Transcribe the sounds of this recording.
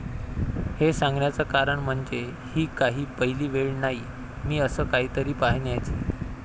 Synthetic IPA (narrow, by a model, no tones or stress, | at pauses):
hesaŋɡɳjat͡səkaɾəɳm̤əɳd͡ze | hiːkaɦiːpəɦiliːʋeɭnaɦi | miːəsəːkaɦiːt̪əɾiːpaɦɳjat͡ɕiː